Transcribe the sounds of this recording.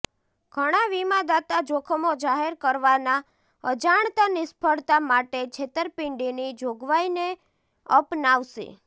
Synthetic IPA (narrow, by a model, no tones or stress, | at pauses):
ɡʱəɽ̃aʋimãd̪at̪ad͡ʒokʰəmod͡ʒaɦeɾkəɾʋana | əd͡ʒaɳt̪anɪspʰəɽt̪amaʈet͡ʃʰet̪əɾpɪɳɖinid͡ʒoɡʋaine | əpnaʋʃḛ